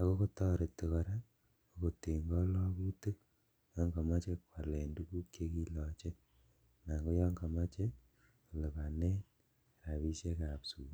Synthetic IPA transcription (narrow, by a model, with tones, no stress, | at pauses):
a˦ko˦ko˦tɔ˦ɾe˨tːe˨kɔ˨ɾɛ˦ | o˨ko˨te˨ŋɡɔ˦lɔ˦ku˦tu˦ | jɔ˦ŋɡa˨ma˦t͡ʃekwa˨le˨ndu˦ku˦kje˦ki˦lɔ˨t͡ʃe˦ | na˨ŋɡo˦jɔ˦ŋɡa˨ma˦t͡ʃe˦ | ko˨le˨ka˨ne˦n | ɾa˨βi˦ʃe˦ka˨psuː˨